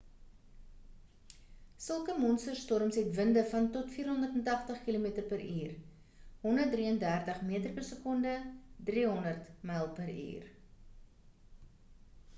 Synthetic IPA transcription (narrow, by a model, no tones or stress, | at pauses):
səlˠkəmɔnstərstɔrmsɦɛtvəndəfɐntɔtfiːrɦɔndərtəntɐχtəχkilomitərpəɾiːr | ɦɔndərt̚driəndæːrtəχmiətərpərsəkɔndədriɦɔndərtmɛlˠpəɾḭːr